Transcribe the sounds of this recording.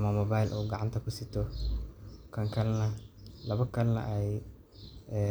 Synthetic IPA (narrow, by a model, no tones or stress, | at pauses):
mɐmɔbajlʔuwɡɑʕɑ̰nt̪ʰɐkʰʊsɪt̪ʰɔ | kʰɐŋkʰɐlnɐlɐβɐkʰɐlnɐ̰ʔɛj | ɛː